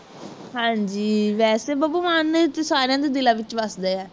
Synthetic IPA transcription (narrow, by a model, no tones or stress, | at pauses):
hãːɲd͡ʒiːʋɛːseːbəbuːmant̪esaːɾjãːd̪eːd̪ɪlãːʋɪt͡ʃʋəsd̪eːɛː